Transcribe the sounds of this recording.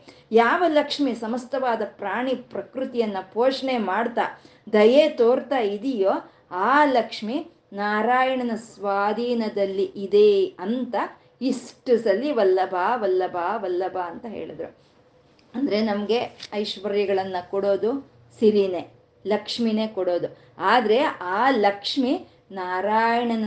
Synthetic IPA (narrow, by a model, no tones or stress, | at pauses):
jaːʋɐlɐkʂmisɐmɐst̪ɐʋaːd̪ɐpɾaːɳipɾɐkɾut̪ijɐnːɐpoːʂɳemaːɖt̪a̰ː | d̪ɐjet̪oːɾt̪aid̪ijoː | aːlɐkʂmi | naːɾaːjɐɳɐnɐsʋaːd̪ʱiːnɐd̪ɐlːiʔid̪e̞ɐnt̪ɐ | isʈusɐlːiʋɐlːɐbʱaːʋɐlːɐbʱaːʋɐlːɐbʱaːnt̪ɐɦḛːɭid̪ɾu | ɐnd̪ɐɾe̞nɐmɐɡe̞ɐjʂʋɐɾjɐɡɐɭɐnːɐkɔɽo̞ːd̪u | siɾine̞ | lɐkʂmine̞ːkɔɽo̞ːd̪u | aːd̪ɐɾe̞aːlɐkʂmi | naːɾaːjɐɳɐnɐ